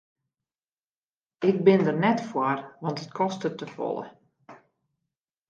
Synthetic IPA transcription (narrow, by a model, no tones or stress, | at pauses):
ɪk̚bɪndərnɛtfwɔrʋɑntətkʰɔstətəfɔ̰lˠə̰